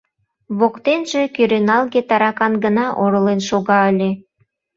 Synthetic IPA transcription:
βokt̪enʒĕkyɾenɑlɣet̪ɑɾɑkɑnɡə̆nɑʔoɾə̆lenʃoɣɑəlʲe

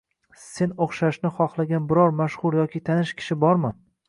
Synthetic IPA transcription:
se̞noχʃaʃnɪχɒχlˠaɡʲanbɪɾɒɾmaʃχʊɾjɒkʲʰɪt̪ʰanɪʃkʲʰɪ̥ʃɪbɒɾmɪ

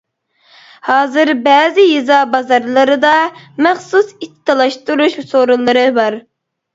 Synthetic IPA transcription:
hɑːzɨɾbɛːzɪjizɑbɑzɑɾlˠɨɾɨd̪ɑmɛχsusit̪ʰt̪ːɨlˠɑʃt̪uɾuʃsoɾulˠːɨɾɨbɑɾ

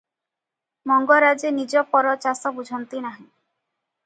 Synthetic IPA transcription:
mɔŋɡɔɾad͡ʒenid͡ʒɔpɔɾɔt͡ʃasɔbud͡ʒʱɔnt̪inaɦĩ

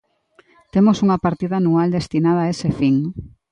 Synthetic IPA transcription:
t̪emosuŋɐpaɾt̪iðaːnuald̪est̪inað̞aːesefiŋ

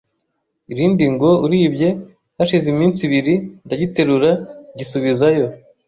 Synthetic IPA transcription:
iɾiːndiŋɡo̞uɾiːbɟe̞ | haʃizimiːnsiβiɾindaɟite̞ɾuɾaɟisuβizajo̞

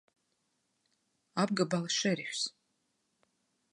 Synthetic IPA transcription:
ab̚ɡabalaʂeɾiħʷᶣs

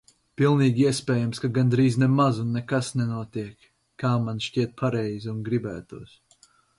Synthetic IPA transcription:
pilˠniːɡʲiɛspʲɛːjamskaɡand̪ɾiːznɛmazunːɛkasnɛnuɔt̪iɛkː | aːmanʃcʲiɛt̪̚pʰaɾɛjzunɡɾibæ̰ːt̪uɔs

